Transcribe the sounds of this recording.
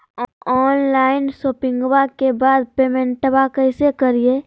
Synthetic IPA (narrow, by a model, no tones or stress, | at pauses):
ɔːnlaːɪnsoːpɪ̃ŋɡwakebaːd̪̚peːmẽɳʈbakəɪsekəɾie